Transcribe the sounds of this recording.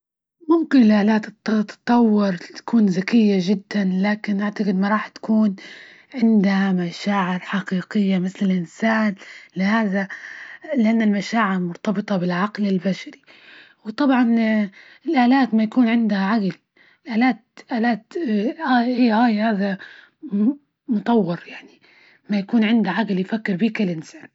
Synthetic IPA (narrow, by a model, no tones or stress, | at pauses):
mʊmkɪnɪlʔaːlaːt̪ɨt̪ːt̪ɨ̥t̪ˤːɑwːɪɾˤt̪ḁkuːnzakɪjːaʒɪd̪ːanlaːkɪnʔaʕt̪aqɪd̪maɾˤɑːħt̪ḁkuːn | ʕɪnd̪hamaʃaːʕɪɾħaqiːqɪjːamɪθlɪlʔɪnsaːnlɪhaːða | lɪʔanːalmaʃaːʕɪɾmʊɾt̪ɑbɨt̪ˤɑbɪlʕɑqlɪlbaʃaɾi | wt̪ˤɑbʕɑn | ɪlʔaːlaːt̪majakuːnʕɪnd̪haʕaɡl | ɪlʔaːlaːt̪ʔaːlaːt̪ahiːʔaːjhaːða | mʊt̪ˤɑwːɪɾjaʕni | majakuːnʕɪnd̪aʕaɡljfakːɪɾbiːkɪlʔɪnsaːn